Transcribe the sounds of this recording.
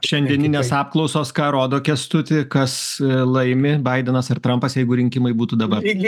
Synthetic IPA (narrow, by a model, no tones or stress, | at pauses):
ʃʲɛnʲd̪ʲiɛnʲɪnʲeːsɑːp̚klˠɒʊsoːskɑːɾoːd̪oːkʲɛst̪ʊt̪ʲɪkɐslˠɐɪmʲɪbɐɪd̪ʲɛnɐsɐɾt̪ɾɐmpɐsjɛɪɡʊɾʲɪŋʲkʲɪmɐɪbuːt̪uːd̪ɐbɐr